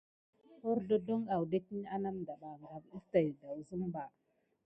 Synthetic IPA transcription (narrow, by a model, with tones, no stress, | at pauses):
o˦ɾdo˦do˦ŋa˨wde˦ki˦n˦a˦na˦mda˨ɗa˨ŋɡa˨bi˦ta˨jda˨wzu˦mba˨